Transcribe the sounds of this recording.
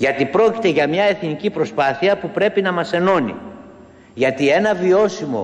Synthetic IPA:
ʝɐt̪ipɾo̞ci̥t̪e̞ʝɐmɲɐe̞θnicipɾo̞spɐθiɐpupɾe̞pinɐmɐse̞no̞nḭ | ʝɐt̪ie̞nɐvio̞simo̞̰

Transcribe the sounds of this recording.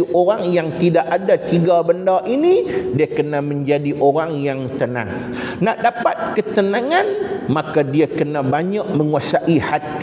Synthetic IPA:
ʔoɾaŋjaŋt̪idaʔadat̪iɡabəndaʔinĩdiakənãmə̃ɲd͡ʒadiʔoɾaŋjaŋt̪ənã̰ŋ | naʔdapat̪̚kət̪ənãŋãnmãkadiakənãbaɲaʔmə̃ŋuasaʔihat̪

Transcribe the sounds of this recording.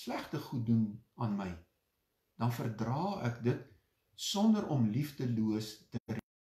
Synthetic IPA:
slæχtəχut̚dunɑːnməj | d̥ɐnfərdrɑːækdət | sɔndəɾʔɔmlifdəluəstəər

